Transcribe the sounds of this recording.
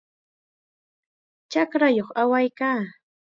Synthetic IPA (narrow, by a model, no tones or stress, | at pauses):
t͡ʃakɾajoχawajkaː